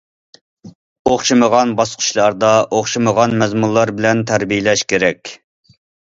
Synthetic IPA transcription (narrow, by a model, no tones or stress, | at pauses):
oχʃɨməʁɑnbɑsqʰʊ̥ʃlˠɑɾd̪ɑʔoχʃɨməʁɑnmɛzmulˠːɑɾbɪlɛnt̪ʰæɾbijelɛʃkʲʰeɾɛkʲ